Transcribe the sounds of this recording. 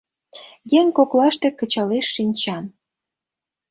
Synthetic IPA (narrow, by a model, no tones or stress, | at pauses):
jeŋʲkoklɑʃt̪ĕkə̆t͡ɕɑleʃːinʲt͡ɕɑn